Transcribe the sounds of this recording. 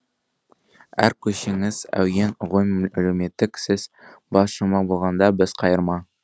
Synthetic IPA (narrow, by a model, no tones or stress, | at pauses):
æ̰ɾkʲʰɵʃeŋɪz̥æ̰wjenʁojmælɵwme̞t̪ːɪksɪzbɑsʃəmɑbolˠʁɑnd̪ɑbɪz̥qʰɑjəɾmɑ